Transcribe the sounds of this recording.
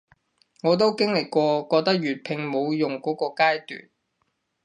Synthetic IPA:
ŋɔː˨˧t̪̬o˥wkɪ˥ŋlɪ˨kkʷɔː˧kɔː˧k̚t̪ɐ˥k̚jyː˨˩t̚pʰɪ˨˧ŋmo˨˧wjʊ˨˩ŋkɔː˨˥kɔː˧kaː˥jt̪y̰ː˨n

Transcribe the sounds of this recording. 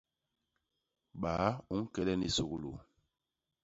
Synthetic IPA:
ɓaː˨˦u˦ŋ̩˦kɛ˦lɛ˦ni˨so˨ku˦lo˨

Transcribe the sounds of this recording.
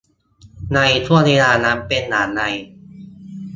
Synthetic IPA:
na˧jt̪ʰu˥˩ɐneː˧laː˧na˦˥mpe˧nːaː˩˦nːa˧j

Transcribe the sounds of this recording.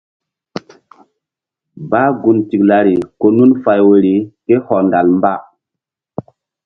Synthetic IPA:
baː˦ɡu˨nti˨kla˨ɾi˨ko˨nu˦nfa˨jwe˨ɾi˨ke˦hɔ˨nda˨lmba˦

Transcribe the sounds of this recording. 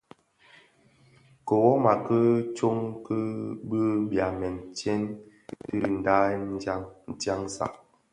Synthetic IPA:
ko˨wɔ˦ma˨kə˦t͡ʃo˦ŋkə˦bə˦bja˨mɛ˨n˨t͡ʃɛ˦n | ti˦li˨n̩˨da˦a˦ŋn̩˦ta˦ŋsa̰˨

